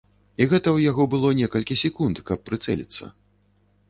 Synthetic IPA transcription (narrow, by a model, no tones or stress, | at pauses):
iɣɛt̪ɐwjaɣɔbɨlˠɔnʲɛkɐlʲkʲisʲɛkunt̪kɐpːɾɨt̪sɛ̰lʲḭt̪sːɐ̰